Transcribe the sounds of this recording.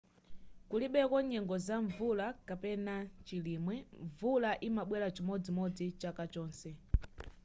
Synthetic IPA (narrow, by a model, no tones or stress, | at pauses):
kuliɓɛkɔɲɛŋɡɔzaɱvulakapɛnat͡ʃiliːmwɛɱvulaʔimaɓwɛlat͡ʃimɔd͡zimɔd͡zit͡ʃakat͡ʃɔːnsɛ